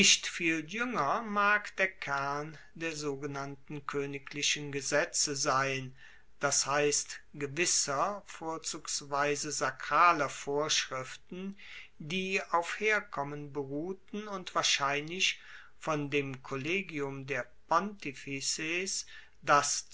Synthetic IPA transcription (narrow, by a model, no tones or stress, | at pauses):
nɪʃtfiːljʏŋɐmaːkd̥eːɐkʰɛɐn | deːɐzoːɡənantn̩kʰøːnɪkʰlɪʃənɡəzɛt͡səzaɪn | d̥ashaɪstɡ̥əvɪsɐfoːɐt͡suːksv̥aɪzəzakʁ̥aːlɐfoːɐʃʁ̥ɪftn̩diːaʊfheːɐkʰɔmənbəʁuːtn̩ʊntv̥aːɐʃaɪnlɪç | fɔndeːmkʰɔleːɡiʊmdeːɐpɔntifises | d̥as